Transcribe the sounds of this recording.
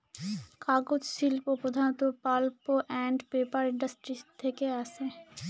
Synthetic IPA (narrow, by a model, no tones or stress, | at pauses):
kaɡod͡ʑʃilpopɾod̪ʱanot̪opalpoʔɛɳɖpepaɾɪ̃ɳɖəsʈɾit̪ʰekeaʃe